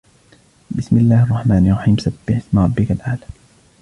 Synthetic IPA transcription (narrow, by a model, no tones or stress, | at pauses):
bɪsmɪlːaːhɑrˤːɑħmaːnɑlrˤːɑħiːmsab̥ːɪħɪsmɾˤɑbːɪkalʔaːla